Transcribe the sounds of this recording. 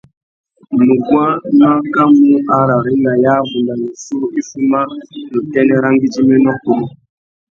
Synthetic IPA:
mu˨ɡwa˦ma˦ka˦mu˦a˨ɾa˨ɾi˦na˨ja˦vu˨nda˨ni˨su˦i˦fu˦ma˦nu˨tɛ˦nɛ˦ɾa˦ŋɡi˦d͡ʒi˦mɛ˦nɔ˦ku˨lu˦

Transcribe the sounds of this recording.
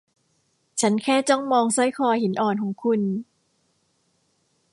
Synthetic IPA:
t͡ɕʰa˦˥nkʰɛː˥˩t͡ɕɔ˥˩ŋmɔː˧ŋsa˥˩jkʰɔː˧jhi˨˩˦nʔɔː˨˩nkʰɔː˩˦ŋkʰu˧n

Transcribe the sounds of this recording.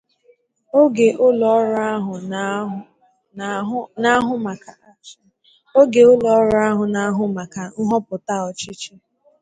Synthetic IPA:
o˦ɡe˨ʔʊ˦lɔ˨˦ɾa˦ɦʊ˨˦ | na˦ɦʊ˦ma˨kʰa˨˦ | o˦ɡe˨ʊ˦lɔ˨ɔ˦ɾa˦a˦ɦʊ˨na˨a˦ɦʊ˦ma˨ka˨ŋ̩˦ɦɔ˦pʊ˨ta˦ɔ˨t͡ʃi˦t͡ʃi˦

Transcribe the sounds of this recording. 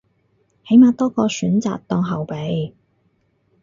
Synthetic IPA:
he˨˥jmaː˨˧t̪ɔː˥kɔː˧syː˨˥nt͡sa̰ː˨k̚t̪ɔː˧ŋɦɐ˨wpe˨˧j

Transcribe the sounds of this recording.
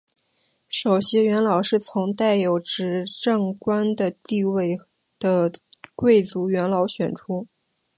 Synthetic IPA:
ʂo˨˩ʊɕjɛ˥ɥɛ˧˥nlɑ˨˩ʊʂɻ̩˥˩t͡sʰʊ˧˥ŋt̪a˥˩ɪjo˨˩ʊʈ͡ʂɻ̩˧˥ʈ͡ʂɤ˥˩ŋkwa˥nd̪ə˨t̪i˥˧we˥˩ɪ | d̪̥ə˩kwe˥˩ɪt͡su˧˥ɥɛ˧˥nlɑ˧˥ʊɕɥɛ˨˩nʈ͡ʂʰu˥

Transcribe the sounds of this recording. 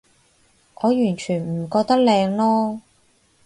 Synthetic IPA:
ʔɔː˨˧jyː˨˩nt͡ʃʰyː˨˩nm̩˨˩kɔː˧k̚t̪ɐ˥k̚lɛː˧ŋlɔː˥

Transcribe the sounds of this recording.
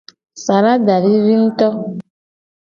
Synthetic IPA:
sa˨ɾa˦da˨ɾi˦ɾi˦n̩˦tɔ˦

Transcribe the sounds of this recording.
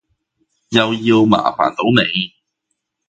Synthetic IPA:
jɐ˨˩wjiː˧wma̰ː˨˩fa̰ː˨˩nt̪o˨˥wne˨˧j

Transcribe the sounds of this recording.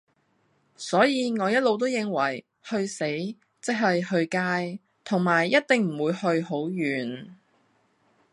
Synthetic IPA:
sɔː˨˥jiː˧ŋɔː˨˧jɐ˥t̚lo˨˧wt̪o˥wjɪ˨˧ŋwɐ˨˩j | hɵ˧ɥse˨˥j | t͡sɪ˥k̚ɦɐ˨jhɵ˧ɥkaː˧j | t̪ʰʊ˨˩ŋmaː˨˩jːɐ˥t̚t̪ɪ˨ŋm̩˨˩wuː˨˧jhɵ˧ɥho˨˥wjyː˨˩n

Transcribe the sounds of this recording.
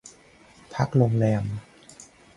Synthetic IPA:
pʰa˦˥k̚lo˧ŋlɛː˧m

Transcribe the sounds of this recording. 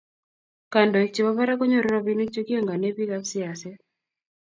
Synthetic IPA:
ka˨ndɔ˨e˨k̚t͡ʃe˨βa˦βa˦ɾa˦kɔ˦ɲɔ˦˨ɾɾɔ˦bi˦ne˦kt͡ʃe˦ki˦ɔ˦ŋɡa˨ne˦pi˦ka˦ksi˦a˨sɛ˦

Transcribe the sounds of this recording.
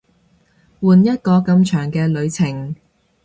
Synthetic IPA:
wuː˨njɐ˥t̚kɔː˧kɐ˧mt͡ʃʰœː˨˩ŋkɛː˧lɵ˨˧ɥt͡sʰɪ˨˩ŋ

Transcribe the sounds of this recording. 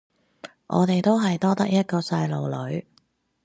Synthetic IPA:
ʔɔ̰ː˨˧t̪e˨jt̪o˥wɦɐ˨jt̪ɔː˥t̪ɐ˥k̚jɐ˥t̚kɔː˧sɐ˧jlo˨˧wlɵ˨˥ɥ

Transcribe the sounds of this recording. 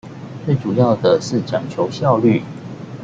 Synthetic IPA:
t͡swe˥˨ɪʈ͡ʂu˨˩jɑ˥˨ʊd̪ə˩ʂɻ̩˥˩t͡ɕʰjɑ˧˥ŋt͡ɕʰjo˧˥ʊɕjɑ˥˧ʊly˥˨

